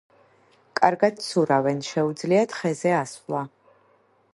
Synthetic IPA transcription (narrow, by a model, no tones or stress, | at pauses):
kʼarɡat̚ʰsuɾawɛnʃɛwud͡zliatʰχɛzɛasla